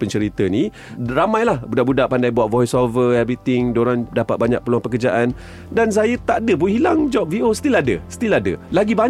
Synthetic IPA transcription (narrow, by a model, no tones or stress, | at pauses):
pəɲt͡ʃəɾit̪ənĩ | ramãjlahbudaʔbudaʔpandajbuat̪̚vɔjsovəabit̪ɪŋdoɾandapat̪̚baɲa̰k̚pəluaŋpəkərd͡ʒaʔan | dans̬ajət̪aʔdəbuɦilaŋd͡ʒɔp̚viosə̥t̪ilaadə̰sə̥t̪iladə̰laɡiba